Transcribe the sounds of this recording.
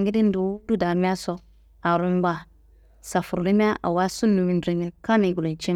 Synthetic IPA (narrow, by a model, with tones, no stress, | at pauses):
ŋɡɪ˦di˦n˦du˨˦du˦da˨mi˦a˦sɔ˦ | a˨ɾu˦m˦ba˦˨ | sa˨fu˨ɾʊ˨li˦mi˦a˦ʔa̰˨wa˦su˦nːu˨mĩ˨n˦dɾi˨ŋɛ˨ka˦ni˨ɡu˨lo˨t͡ʃi˦